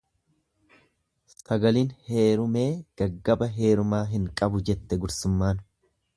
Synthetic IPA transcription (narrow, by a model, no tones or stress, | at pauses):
sɐɡɐliːnhe̞ːɾʊme̞ːɡ̥ɐɡːɐbɐɦe̞ːɾʊmaːɦɪŋkʼɐbʊd͡ʒɛt̪ːɛɡʊɾsʊmːaːn